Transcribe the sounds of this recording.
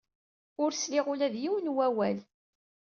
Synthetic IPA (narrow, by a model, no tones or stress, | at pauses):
ʊɾslɪʁʊlæðjiwnwæwæl